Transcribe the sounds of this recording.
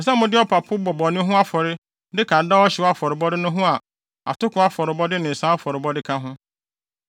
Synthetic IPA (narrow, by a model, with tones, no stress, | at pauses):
n̩˨s̬ã˦mʊ̃˦dɪ˦ɔ˦pʰa˨pʰʊ˦bɔ˨bɔ˨nʊ̃˦ɦʊ̃˦a˦fɔ˨ɾɪ˦ | dɪ˦kʰã˨n̩˨da˦ɔ˦ɕɪ˨wa˦fɔ˨ɾɪ˨bɔ˦dɪ˦nʊ̃˦ɦʊ̃˦a˨ | a̰˨tʊ˦kʊ̃˨˦a˦fɔ˨ɾɪ˨bɔ˦dɪ˦nɪ̃˨n̩˨sã˦fɔ˨ɾɪ˨bɔ˦dɪ˦kʰã˦ɦʊ̃˦